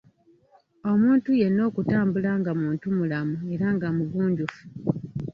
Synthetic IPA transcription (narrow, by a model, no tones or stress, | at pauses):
o̞muːntuje̞nːo̞ːkutaːmbulaŋɡamuːntumulamue̞ɾaŋɡamuɡuːɲɟufu̥